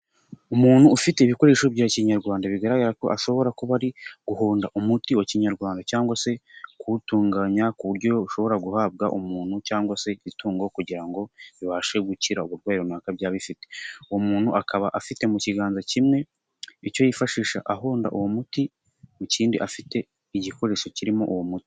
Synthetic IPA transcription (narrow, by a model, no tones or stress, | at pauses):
umuːnhuːfite̞iβiko̞ɾe̞ːʃobɟaːciɲaɾɡwaːndaβiɡaɾaɡaɾako̞ʔaʃo̞βo̞ɾakuβaɾiɡ̥uɦoːndaʔumutiwociɲaɾɡwaːndacaːŋɡwase̞kuutuːŋɡaɲakuβuɾɟo̞uʃo̞βo̞ɾaɡuhaːb̚ɡaʔumuːn̥hucaːŋɡwase̞βituːŋɡo̞kuɟiɾaŋɡo̞βiβaːʃe̞ɡuciɾauβuɾɡwaːjiɾonaːkabɟaːβifite̞uwomuːn̥huakʰaβaʔafite̞muciɡaːnzacimŋe̞ | icojifaʃiːʃaʔaɦoːnda̰ʔuwomuti | muciːndiʔafite̞ | iɟiko̞ɾe̞ʃo̞ciɾimo̞ʔuwomuti̥